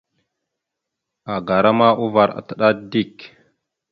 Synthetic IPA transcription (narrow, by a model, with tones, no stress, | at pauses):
a˨ɡa˨ɾa˦ma˦ʔu˦va˨ɾa̰˨ta˨ɗa˦di˦˨k